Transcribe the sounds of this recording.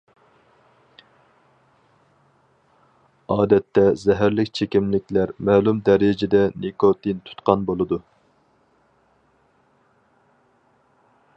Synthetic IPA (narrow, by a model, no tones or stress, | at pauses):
ɑːd̪ɛt̪ːɛzɛɦæɾlɪkʲt͡ʃʰekʲimlɪkʲlæɾmɛːlˠumd̪ɛɾɪd͡ʒɪd̪ɛnikot̪ʰint̪ʰu̥t̪qɑnbolˠɨd̪u